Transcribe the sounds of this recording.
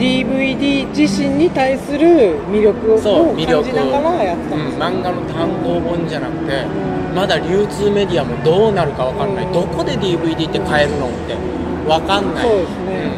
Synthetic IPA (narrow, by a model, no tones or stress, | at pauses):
d̪ʲiːbɯ̟id̪ʲiːd͡ʑiɕĩɲ̟ːit̪aisɨɾɯ̟mʲiɾʲjo̞kɯ̟soːomʲiɾɾjod͡ʑiknaɡaɾajat̪ːeaɯ̟̃mãŋɡano̞t̪ãŋɡo̞ːbõɲ̟d͡ʑanakɯ̟̥t̪e̞ | mad̪aɾʲɯːt͡sɨːme̞d̪ʲiamo̞d̪o̞ːnaɾɯ̟kaβ̞akaɾnaid̪o̞ko̞d̪e̞d̪ʲiːbɯ̟id̪ʲiːt̪ːekae̞ɾɯ̟no̞t̪ːe̞ | βakanːasoiːd̪esɨnẽ